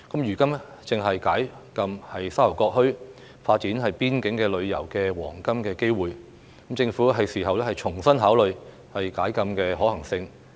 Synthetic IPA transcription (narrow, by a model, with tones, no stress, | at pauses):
kɐ˨˥mjyː˨˩kɐ˥mɛ˥ | t͡sɪ˨ŋɦɐ˨jkaː˨˥j | kɐ˧mhɐ˨jsaː˥lɐ˨˩wkɔː˧k̚hɵ˥ɥ | faː˧t̚t͡siː˨˥nɦɐ˨jpiː˥nkɪ˨˥ŋkɛː˧lɵ˨˧ɥjɐ̰˨˩wkɛː˧wɔː˨˩ŋkɐ˥mkɛː˧ke˥jwuː˨j | kmt͡sɪ˧ŋfuː˨˥ɦɐ˨jsiː˨˩ɦɐ˨wlɛː˥hɐ˨jt͡ʃʰʊ˨˩ŋsɐ˥nɦaː˨˥wlɵ˨ɥ | hɐ˨jkaː˨˥jkɐ˧mkɛː˧ɦɔː˨˥hɐ˨˩ŋsɪ˧ŋ